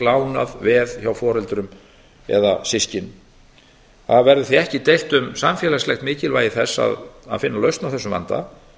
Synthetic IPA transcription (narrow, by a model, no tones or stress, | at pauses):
laːwnaðvɛðçawfɔːɾɛlt̪ɾʏm | ɛ̰ðasɪscɪn | θaðvɛɾðʏθiɛhcɪt̪ejl̥t̪ʏmsamfjɛːlaslɛxt̪mɪːcɪlvaːjɪθɛsːa̰ða̰ðfɪnːalœɥst̪nawθɛsːʏmva̰nt̪a̰